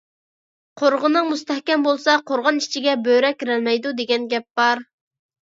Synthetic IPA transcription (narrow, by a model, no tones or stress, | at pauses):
qʰoɾʁənɨŋmust̪ɛhkʲɛmbolˠsɑqʰoɾʁɑnit͡ʃʰiɡʲɛbøɾɛkʲʰiɾɛlmɛjd̪ud̪eɡʲɛnɡʲɛp̚b̥ɑɾ